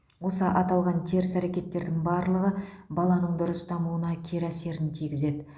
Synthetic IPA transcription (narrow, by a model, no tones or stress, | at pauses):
wo̞səʔɑt̪ɑlˠʁɑnt̪ʲʰe̞ɾɪsæɾekʲe̞t̪ːe̞ɾd̪ɪŋbɑɾlˠəʁə | bɑlˠɑnəɴd̪ʊɾəsd̪ɑmuənɑkʲʰe̞ɾæse̞ɾɪnt̪ʰijɡʲɪze̞d̪ɪ